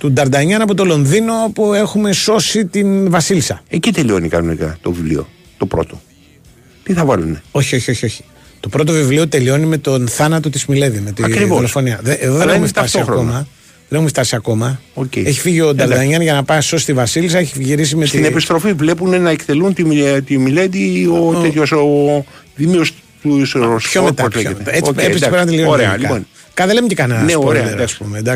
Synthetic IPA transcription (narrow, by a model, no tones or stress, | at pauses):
t̪ud̪ɐɾd̪ɐɲɐnɐpo̞t̪o̞lo̞nðino̞pue̞xume̞so̞sit̪invɐsilsɐecit̪elio̞nikɐnonikɐ̰t̪ovivlḭo̞̰ | t̪o̞pɾo̞̰t̪o̰ | t̪iθɐvɐluneo̞çio̞çioçio̞çi̥ | t̪o̞pɾo̞t̪̬o̞vivlio̞t̪e̞lio̞nime̞t̪o̞nθɐnɐt̪o̞t̪izmile̞vime̞t̪iɐɾivoelefo̞niɐðeeðoðenexumeft̪ɐsit̪ɐxomɐ | ðenexumeft̪ɐsiɐko̞mɐocee̞çi̥fiʝio̞d̪ɐɾðɐɲɐnʝɐnɐpɐso̞st̪ivɐsilis̬ɐeçiʝiɾis̬imest̪inepist̪ɾo̞fivle̞punenɐekt̪elunt̪it̪imiled̪iotet̪joso | ðimios | t̪usosçomet̪ɐot̪eoeeispenɐt̪elioɾeɐliɐon | kɐðelemecikɐnɐnsepoeed̪ɐspumed̪ɐs